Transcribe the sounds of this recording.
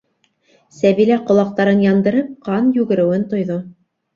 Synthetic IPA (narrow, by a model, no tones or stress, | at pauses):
sæβilæqŏlˠɑq̚t̪ɑɾɤnjɑnd̪ɤ̆ɾɤp̚qɑnjʉɡɘ̆ɾɘ̆wɘnt̪ŏjðo